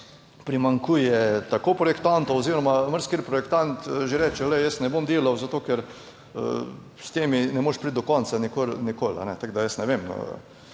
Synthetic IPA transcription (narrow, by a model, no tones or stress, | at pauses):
pɾimaŋkuːjɛt̪akoːpɾɔjɛkt̪ant̪ooziːɾɔmaməɾskeɾpɾɔjɛkt̪ant̪ʒeɾɛːt͡ʃɛlɛjəsnɛbomd̪eːlawzat̪oːkɛɾ̰ | st̪eːminɛmoʃpɾit̪̚d̪ɔkɔnsanikolnikoːla̰nɛt̪aɡd̪ajəsnɛʋemə̰